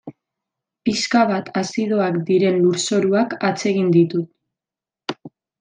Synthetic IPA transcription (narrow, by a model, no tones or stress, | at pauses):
piskaβ̞at̪ʰasiðo̞akd̪iɾe̞nluɾso̞ɾuakat͡se̞ɣind̪it̪ut̪